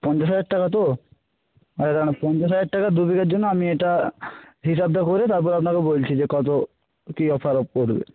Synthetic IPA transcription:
pɔnd͡ʑoʃad͡ʑaʈʈːakat̪o | aad̪anapɔnt̪oʃad͡ʑaʈʈːakad̪ubikaɾd͡ʑonːoamieʈa | ɦiʃab̚d̪akoɾet̪aɾp̬ɔɾapnakebolt͡ɕʰid͡ʑekɔt̪̬o | kiɔpʰaɾop̚koɾbḛ

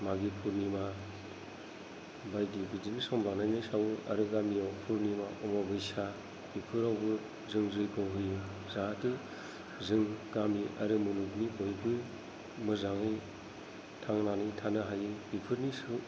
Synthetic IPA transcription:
maɡipʰuɾnima | bajdibidinisɔmbanajnɯjsawɯɐ̰ɾɯɡamijawpʰuɾnimaʔɔmɔbɯjsa | b̥ipʰɯɾawbɯ | zɯŋzɯjɡɯwɦɯjɯ | zaŋate | zɯŋɡamiʔɐɾɯmɯnuknibojbɯ | mɯzaŋɯj | tʰaŋnanɯjtʰanɯɦajɯb̥ipʰɯɾnisɯ

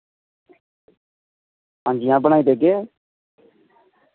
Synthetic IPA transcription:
ɦãːnd͡ʒiːãːbəɽaːid̪eːɡeː

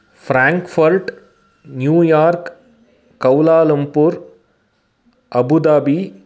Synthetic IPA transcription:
fʰɾaːŋkfɐɾʈ | njuːjaːɾkː | ɐwlaːlɐmpuɾ | ɐbud̪abi

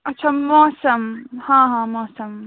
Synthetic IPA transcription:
ɐtːʃʰamɔːsɐmhãːɦãːmɔːsɐm

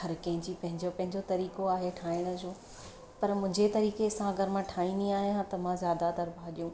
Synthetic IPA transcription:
ɦɐɾkɐ̃ɦɪ̃ɲd͡ʑipɐ̃ɦɪ̃ɲd͡ʑopɐ̃ɦɪ̃ɲd͡ʑot̪ɐɾiːkoaːɦeʈʰaːɪɽ̃ə̆d͡ʑoː | pɐɾmʊ̃ɦɪ̃ɲd͡ʑet̪ɐɾiːkesãɐɡɐɾmãʈʰaːĩniaːɦijɦãt̪ɐmãzjaːd̪at̪ɐɾbʱaːɗijũː

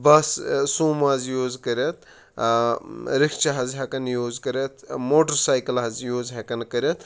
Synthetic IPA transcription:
bɐssuːmazjoːzkɐɾɐt̪̚ʰ | ɾikʰt͡ʃɐɦɐzɦɐkɐnjoːzkɐɾɐt̪ʰmoːʈɐɾsaːjkɐlɦɐzjoːzɦɐkɐnkɐɾɐt̪

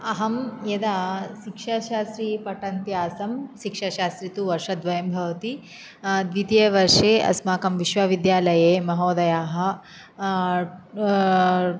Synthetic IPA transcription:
ɐɦɐmjɐd̪aːʃikʂaʃaːsɾipɐʈɐnt̪jaːsɐmʃikʂɐʃaːst̪ɾit̪uʋɐɾʂɐd̪ʋɐjɐmbʱɐʋɐt̪i | d̪ʋit̪eʋɐɾʂeːɐ̰smaːkɐmʋiʃʋɐʋid̪jaːlɐjeːmɐɦoːd̪ɐjaːɦɐ̆

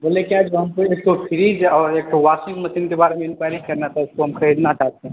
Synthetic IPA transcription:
bolekiad͡ʒbɦəmkeek̚ʈopʰiɾid͡ʒɔːɾek̚ʈowasiŋɡməsinkebaɾemeɪnkaɾikəɾnat̪ɔɪskoɦəmkʰəɾed̪nat͡ʃaɦt̪ɛ̃

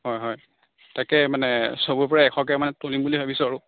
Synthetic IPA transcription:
ɦɔjɦɔj | takɛmanɛsobupɔɹaɛkʰɔkɛmanɛtolimbuliɦabisʊaɹʊ

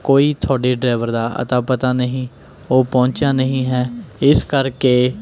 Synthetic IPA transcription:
koːiːt̪ʰɔaːɽeːɖɾaːʋəɾd̪aːʔə̰t̪aːpət̪aːnəɦĩː | oːpɔ̃ːɲt͡ʃjaːnəɦĩːɦɛːɪskəɾkeː

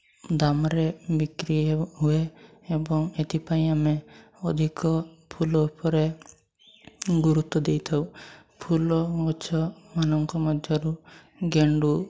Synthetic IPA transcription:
d̪amɾebikɾiɦue | ebɔŋet̪ipaĩame | ɔd̪ʱikɔ | pʰulupɔɾe | ɡuɾut̪ːɔd̪ejt̪ʰɔw | pʰulɔɔt͡ʃʰɔmanɔŋkɔmɔd̪ʱjɔɾu | ɡeɳɖu

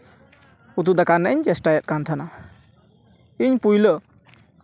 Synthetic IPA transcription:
ut̪̬ud̪akanːəiɲd͡ʒɛsʈajɛt̪̚kant̪ʰana | iɲpujlə

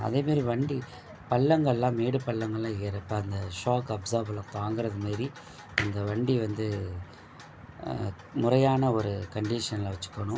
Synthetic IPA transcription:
ɐ̰ðeːmaːɾiʋɐɳɖi | pɐɭːɐŋɡɐɭlãːmeːɽɯpɐɭːɐŋɡɐɭlãːɪɐɾɐpːɐɐnd̪ɐʂaːkɐbsaːɾblãːt̪aːŋɡɯɾɐðɯmaːɾi | ɐnd̪ɐʋɐɳɖiʋɐnd̪ɯ | mʊrɐjaːnɐɔɾɯkɐɳɖiʂɐnlɐʋɐt͡ʃːɯ̥kːɐɳʊ̃

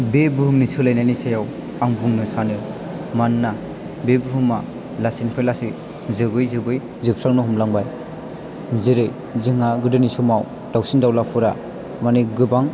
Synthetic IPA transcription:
bebɯɦɯmnisɯlajnajnisajaw | aŋbuŋnɯsanɯ | manːa | bebɯɦɯma | lasinpʰelasi | zɯɡɯjzɯbɯj | zɯp̚sɾaŋnɯɦumlaŋbaj | zɯɾɯj | zɯŋaɡɯdɯnisɔmaw | d̥awsindawlapʰɯɾa | maniɡɯbaŋ

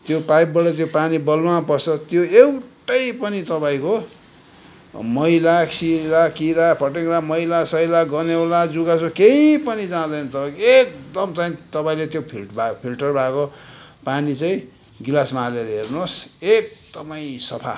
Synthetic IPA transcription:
t̪jopajbbʌʈʌt̪̬jopanibʌlãpʌrsʰʌt̪joewʈʌjpʌnit̪ʌpaĩko | mʌilasiɾakiɾapʰʌʈeklamʌilasʌjlaɡʌnewlad͡zuɡasokeipʌnid͡zãd̪ʌjnʌt̪ʌpãĩkoek̚d̪ʌmt͡saĩt̪ʌpãĩlet̪jopʰilʈbʱapʰilʈʌrbako | panit͡sãĩ | ɡilasmaleɾɦernosek̚d̪̥ʌpaĩsʌpʰa̰

